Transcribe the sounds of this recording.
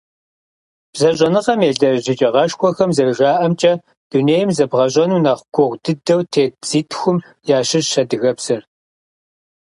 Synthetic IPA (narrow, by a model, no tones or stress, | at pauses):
b̥zɐɕʼɐnɨqɐmeːɮɐʑɪt͡ʃʼɐʁɐʃkʷʰʼɔxɐmzɐrʒaːʔɐmt͡ʃʼɐ | d̥uneːjɪmzɐbʁɐɕʼɐnunaːχʷʊɡʷʰʊʁʷdɨdɐwtʰeːd͡z̥iːtʰxʷʊm | jaːɕɪʒʃɐdɨɣɐbsɐr